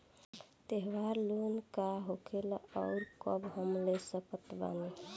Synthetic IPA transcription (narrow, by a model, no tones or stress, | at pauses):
t̪eɦʋaɾlunkaɦokʰelɔʊɾkɔbɦəmlesəpət̪ba̰ni